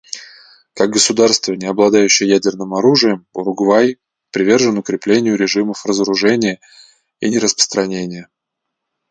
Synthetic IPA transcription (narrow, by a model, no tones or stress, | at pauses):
kaɡ̚ɡəsʊd̪arst̪vənʲɪɐblˠɐd̪ajʉɕːɪjəjædʲɪrnɨmɐɾuʐɨjəmʊ̰ɾʊɡvaj | pɾʲɪvʲe̞rʐɨnʊkɾʲɪplʲenʲɪjʊɾʲɪʐɨməfrəzəɾʊʐɛnʲɪjə | ḭnʲɪɾəspə̥st̪ɾɐnʲenʲɪjə